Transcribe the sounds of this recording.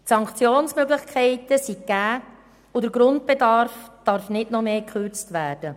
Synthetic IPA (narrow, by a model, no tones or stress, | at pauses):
tsɑŋkt͡sjoːnsmøɡlɪχkʰɛɪtəsiɡæː | ʊdəɾɡɾʊnt̚pedɑɾfd̥ɑɾfnɪdnɔmeːkχøɾt͡stʋæːɾd̥ə